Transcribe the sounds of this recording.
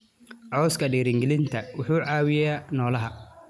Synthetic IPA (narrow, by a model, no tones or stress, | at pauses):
ʕɔwskʰɐɖiːɾɪŋɡɛlɪnt̪ʰɐwʊħuːʕɑːwɪjaːnɔːlɐɦɐ